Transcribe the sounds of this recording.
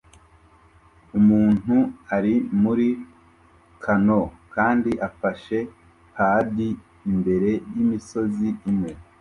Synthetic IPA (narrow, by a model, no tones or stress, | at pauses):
umuːn̥uaɾimuɾi | kʰano̞kaːndiʔafaʃe̞ | paːdi | imbe̞ɾe̞jimiso̞ziimŋe̞